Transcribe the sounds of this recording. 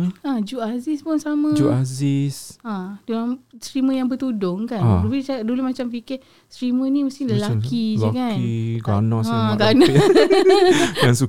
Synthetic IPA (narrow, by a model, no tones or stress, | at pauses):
ad͡ʒuʔazispʊnsamãd͡ʒuazisadulamsɾiməjaŋbət̪udʊŋkauit͡ʃadulumat͡ʃamfikə | sɾimənĩmusɪŋləlakid͡ʒlakaniɡanɔ̃ãɡana | ansu